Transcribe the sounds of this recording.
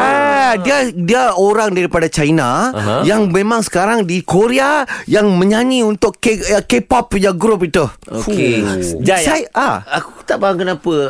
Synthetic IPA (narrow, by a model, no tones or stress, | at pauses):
adiadiaoɾaŋdaɾipadat͡ʃainajaŋmẽmãŋsə̥kaɾaŋdikoɾeajaŋmə̃ɲaɲĩunt̪ʊkkekepap̚jaɡɾopit̪uo̰keajaaakut̪aʔbaɦaŋkənãpə